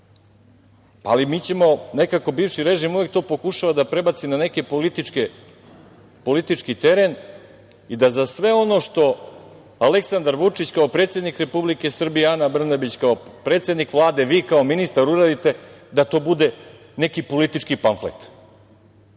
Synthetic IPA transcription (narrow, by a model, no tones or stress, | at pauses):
a̰limiːt͡ɕe̞mo̞ne̞kako̞biːʋʃiɾe̞ʒimuje̞k̚t̪o̞ːpo̞kuʃaʋad̪apɾe̞bat̪sinane̞kepolit̪ike | po̞lit̪it͡ʂkit̪e̞ɾen | id̪azasʋe̞o̞no̞ʂt̪o̞ | ale̞ksand̪aɾʋut͡ʂit͡ɕkaopɾet̪sje̞d̪nikɾe̞publike̞sr̩bijeanabr̩nabit͡ɕkaopɾe̞ːt̪sʲjed̪nikʋlˠaːd̪e̞ʋiːkao̞minist̪aɾuɾed̪it̪e̞d̪at̪o̞ːbud̪e̞ | ne̞kipo̞lit̪it͡ʂkipanflḛk̚t̪